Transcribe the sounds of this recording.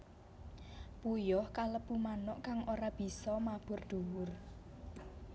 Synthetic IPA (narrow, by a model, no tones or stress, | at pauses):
pujɔhkaləpumanɔʔkaŋoɾab̥i̤sɔmab̥ʊ̤rd̪̥uwʊr